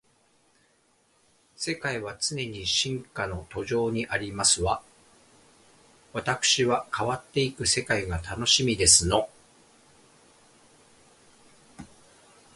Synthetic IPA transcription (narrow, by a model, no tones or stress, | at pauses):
se̞kaiβat͡sɨne̞ɲ̟iɕĩŋkano̞t̪o̞ʑo̞ːɲ̟iʔaɾʲimasɨβa | βat̪akɯ̟̥ɕiβakaβat̪ːe̞ikɯ̟se̞kaiɡat̪ʰano̞ɕimʲid̪e̞sɨno̞